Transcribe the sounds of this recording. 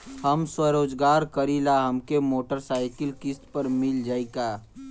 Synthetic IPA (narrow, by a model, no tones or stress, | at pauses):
hɐmswəɾoːd͡ʒɡaːɾkɐɾilaɦɐmkemoːʈəɾsaːɪkəlkɪst̪pəɾmɪld͡ʒaːikaː